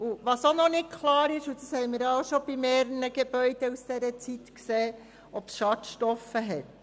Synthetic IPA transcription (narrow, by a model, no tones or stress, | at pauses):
uʋɑsonɔnɪt̚kʰlɑːɾɪʃud̥̪ɑshɛɪmiːɾɑoʃob̥imeːɾənəɡ̥eb̥œʏd̥ɛusd̥ɛɾət͡sitkseː | ʔɔpsʃɑtʃtɔfəɦɛt